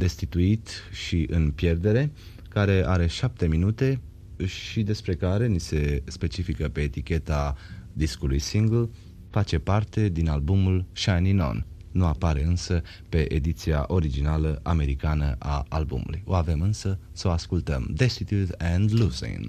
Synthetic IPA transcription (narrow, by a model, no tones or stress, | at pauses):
d̪e̞st̪it̪uit̪ʃiʔɨnpjerd̪e̞ɾe̞ | kaɾe̞aɾe̞ʃap̚t̪e̞minut̪e̞ | ʃid̪e̞spɾe̞kaɾe̞nise̞spe̞t͡ʃifikəpe̞ːt̪ikʲe̞t̪ad̪iskulujsiŋɡl | fat͡ʃe̞part̪e̞d̪inalbumulʃanino̰nːuapaɾe̞ɨnsə | pe̞ʔed̪it̪sia̰ʔo̞ɾid͡ʒinaləʔame̞ɾikanə̰ʔa̰a̰lbṵmṵlṵjo̞ave̞mɨnsə | səoaskult̪əmd̪est̪it̪jut̪ɛ̃nd̪lusḭn